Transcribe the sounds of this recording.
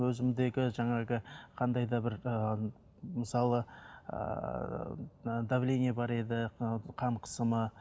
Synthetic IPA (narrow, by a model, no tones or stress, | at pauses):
wɵzɪmɪd̪e̞ɡʲɪʒɑɴɑʁəqʰɑnd̪ɑjd̪ɑbɪɾə | məsɑlˠə̰ | d̪avleniebɑɾed̪ɪqʰɑɴqʰə̥səmə